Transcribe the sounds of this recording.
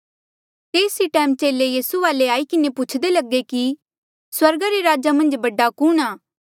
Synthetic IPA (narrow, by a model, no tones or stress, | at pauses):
t̪eːsiʈɛːmt͡ʃeːlejiːsuʋaːleaːikɪnepʊt͡ʃʰd̪elɐɡeki | swɐɾɡaɾeɾaːd͡ʒamɐ̃nd͡ʒbɐɖakuːnaː